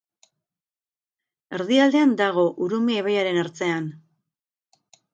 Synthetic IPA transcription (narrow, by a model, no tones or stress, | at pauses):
e̞ɾðiald̪e̞and̪aɣ̞o̞ʔuɾumieβajaɾe̞naɾt͡se̞an